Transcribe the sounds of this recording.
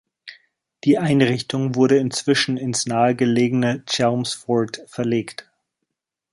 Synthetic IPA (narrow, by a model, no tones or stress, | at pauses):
d̥iːʔaɪnʁɪçtʊŋvʊɐɾəɪnt͡sv̥ɪʃn̩ɪnsnaːəɡəleːɡənət͡ʃaʊmsfɔtfɛɐleːkt